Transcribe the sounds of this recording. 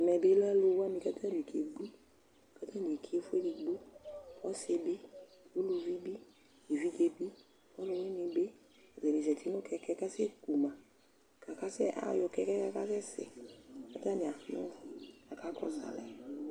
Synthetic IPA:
mɛ˨be˦lɛ˦lo˧wa˦mĩ˧˨ka˦tʰa˦n˨i˨kʰe˨ɡ͡bu˦ | ka˦ta˦n˨e˨kʰe˨˦fu˦e˦di˧ɡ͡bu˦˨pɔ˦se˧be˦ | ju˦lo˧vi˦bi˦ | i˨vi˦ke˧bi˦˨ | ɔ˦lo˧we˦ni˧be˦˨ | zɛ˨ɾi˨zɛ˨tʰi˦no˦kɛ˧kɛ˦ka˦se˦ku˨mã˨ | ka˨ka˦sɛ˦a̰˨˦jɔ˧kɛ˧˦kɛ˦ka˦ka˦sɛ˦sɛ̰˨ka˦ta˦nĩ˨a˨nɔ̰̃˦˨ka˨ka˦kɔ˦sa̰˨lɛ̰˨

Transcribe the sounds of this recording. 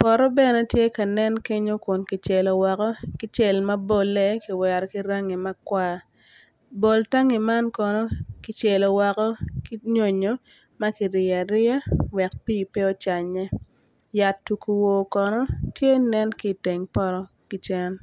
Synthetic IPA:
pɔ˨ɾɔ˦bɛ˦˨nɛ˦tje˦ka˨nɛ˦nke˦ɲo˦kʊ˨nkɪ˨t͡ʃɛ˨lɔ˨wɔ˨kɔ˦kɪ˦t͡ʃɛ˦˨lmɐ˦bo˦˨lːɛ˦ki˨wɛ˨ɾki˦ɾa˦ŋi˨mɐ˦kwa˦ | bo˨lta˦ŋi˨ma˦nkɔ˨nɔ˦kɪ˨t͡ʃe˨lɔ˨wɔ˨kɔ˦ki˦ɲo˦ɲo˦ | mɐ˦ki˨ɾɪ˨a˨ɾɪ˦a˦wɛ˨k̚pi˦˨pɛ˦ɔ˦t͡ʃa˨ɲɛ˦ | ja˨tːu˨ku˨wo˨kɔ˨nɔ˦tje˦nɛ˦nki˦te˨ŋpɔ˦ɾɔ˦ | ki˨˦t͡ʃɛ˦n

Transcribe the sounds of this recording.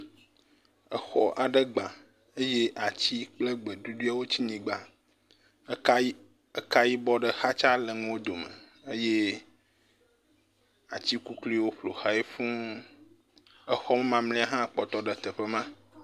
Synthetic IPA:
ə˦xɔ̰˨ʔa˨ɖə˦ɡ͡bã˨ | e˦je˦ʔa˨t͡ɕi˦k͡ple˦ɡ͡be˨d̪u˦du˦a˦wo˦t͡ɕi˦ɲĩ˨ɡ͡ba˨˦ | ə˦ka˦ji˦bɔ˦ɖə˨xa˦t͡ʃa˦lə˨ŋũ˦wo˦d̪o˨mə̰˨ | e˦je˦ | a˨t͡ɕi˦ku˦kli˦wo˦ɸlo̰˨xa˦e˦ɸũ˦ | ə˦xɔ˦mə˦mã˨mli˦a˦ɦã˦˨k͡pɔ˨t̪ɔ˦ɖə˨t̪e˨ɸə˦mã˦

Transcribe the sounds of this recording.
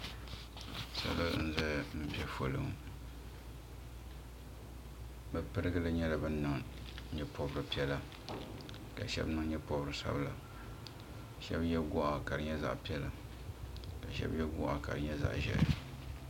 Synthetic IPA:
sa̰˨˦lɨ̰˦n̩˦zɛ˦m̩˦pɛ˦fo˨lɨ˦ŋ | bɛ˨pɨ˦ɾɨ˦ɡɨ˦lɨ˦ɲɛ˦la˦bɨ˦nːɨ˦ŋ˦ɲɛ˦po˦bɨ˦ɾɨ˨pi˦ɛ˦la˨ | ka˨ʃɛ̰˦bnɨ˦ŋɲɛ˦po˦bɨ˦ɾɨ˨˦sa̰˦bla˨ | ʃɛ̰˦bjɛ˦ɡʊ˦ʔa˦ka˨ɾɨ˨ɲɛ˦za̰˦ʔpi˦ɛ˦la˨ | ka˨ʃɛ̰˦bjɛ˦ɡʊ˦ʔa˦ka˨ɾɨ˨ɲɛ˦za̰˨ʔʒɛ̰˦˨˦

